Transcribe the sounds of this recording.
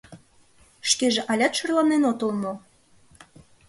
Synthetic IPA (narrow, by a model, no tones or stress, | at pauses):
ʃkeʒĕʔɑlʲɑt̪ʃɤrlɑnenot̪olmo